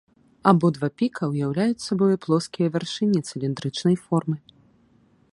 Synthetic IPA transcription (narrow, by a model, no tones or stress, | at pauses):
abɔd̪vapʲikʰɐwjawlʲajut͡sʲsabɔjɐplˠɔskʲijɐvʲarʂɨnʲːit̪sɨlʲind̪ɾɨt͡ʂnɐjfɔrmɨ